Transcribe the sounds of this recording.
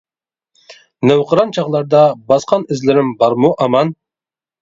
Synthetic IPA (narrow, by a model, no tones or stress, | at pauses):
næwqʰəɾɑnt͡ʃʰɑʁlˠɑɾd̪ɑbɑsqɑnɪzlɪɾɪmbɑɾmuʔɑmɑn